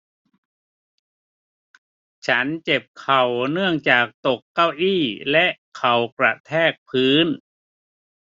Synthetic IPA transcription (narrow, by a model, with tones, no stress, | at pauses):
t͡ɕʰa˦˥nt͡ɕe˨˩p̚kʰa˨˩wnɯ˥˩əŋt͡ɕaː˨˩k̚t̪o˨˩kːa˥˩wʔiː˥˩lɛ˦˥ʔkʰa˨˩wkɾa˨˩t̪ʰɛː˥˩k̚pʰɯː˦˥n